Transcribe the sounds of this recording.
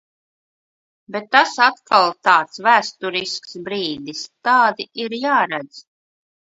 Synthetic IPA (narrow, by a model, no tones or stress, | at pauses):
bet̪ːasat̪kalˠt̪aːt̪svæːst̪uɾisksbɾiːd̪ist̪aːd̪iʔiɾjaːɾæd̪z̥